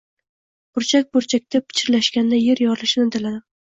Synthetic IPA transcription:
b̥ʊɾt͡ʃʰak̚ʲbʊɾt͡ʃʰak̚ʲt̪ʰapʰɪ̥t͡ʃʰɪɾlaʃkʲand̪ajeɾjɒɾlɪʃɪnɪd̪ɪlad̪ɪ

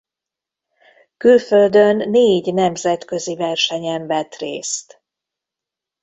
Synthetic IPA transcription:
kylføld̪ønːeːɟnɛmzɛt̪kø̞zivɛrʃɛɲɛɱvɛt̪reːst̪

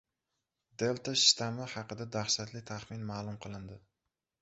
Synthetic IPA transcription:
d̪e̞lt̪aʃt̪ʰamahɑqɨd̪ad̪aχʃat̪lɪt̪ʰaχmɪnmaːlˠʊmqʰɨlˠɪnd̪ɪ

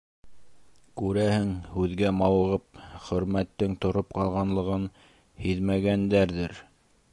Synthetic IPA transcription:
kʉɾæhɘŋhʉðɡæmɑwɤ̆ʁɤp̚χɵ̆ɾmæt̪ːɘŋt̪ŏɾop̚qɑlˠʁɑnlˠɤ̆ʁɤn | hiðmæɡænd̪æɾðɘɾ

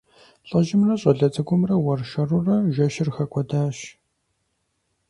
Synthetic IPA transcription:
ɬʼɐʒɪmrɐɕʼɐɮɐt͡sʼɐɡʷʊmrɐwɐrʃɐrurɐʒɐʃɪrxɐkʷʰʼɔdaːʃ

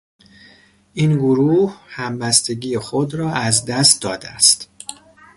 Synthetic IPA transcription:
ʔiːnɡoɾuːhhæmbæst̪e̞ɟiːjexod̪ɾɒːæzd̪æst̪̚d̪ɒːd̪eæ̰st̪

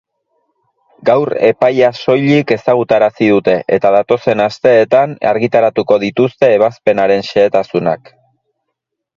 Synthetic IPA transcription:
ɡawre̞pajaso̞jʎike̞saɣ̞ut̪aɾasiðut̪e̞ʔe̞̰t̪að̞at̪o̞se̞nast̪e̞ːt̪ana̰ɾɣit̪aɾat̪uko̞ðit̪ust̪e̞ːβ̞aspe̞naɾe̞nʃe̞ːt̪asuna̰k

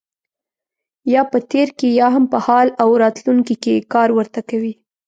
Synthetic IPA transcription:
jɑpət̪eɾkejɑɦampəhɑlawɾɑt̪luŋkikekɑɾwəɾt̪akawi

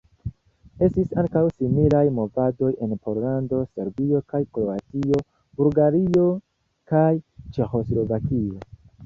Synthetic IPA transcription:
e̞stisaŋkawsimilajmo̞vado̞je̞npo̞ɾlando̞se̞ɾbio̞kajkɾoatio̞ | b̥ulɡaɾio̞ | kajt͡ʃe̞xo̞slo̞vakio̞

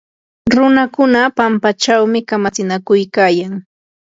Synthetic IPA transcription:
ɾʊnakʊnapampat͡ʃawmɪkamat͡sɪnakʊjkaːjaŋ

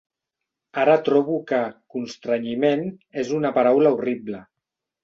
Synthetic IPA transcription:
aɾət̪ɾɔβukəkunst̪ɾaɲimenezunapaɾawlauriblə

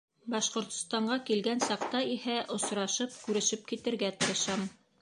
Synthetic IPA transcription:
bɑʃqŏɾt̪̆st̪ɑɴɢɑkilɡænsɑqt̪ɑihæʔŏsɾɑʃɤp̚kʉɾɘ̆ʃɘp̚kit̪ɘ̆ɾɡæt̪ɤ̆ɾɤ̆ʃɑm

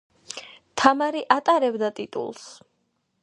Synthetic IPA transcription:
t̪ʰamaɾiʔat̪ʼaɾɛbd̪at̪ʼit̪ʼṵlˠs

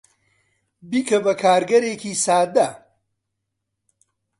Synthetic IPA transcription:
biːkʰɐbɐkʰaːɾɡɐɾeːkiːsaːd̪ɐ

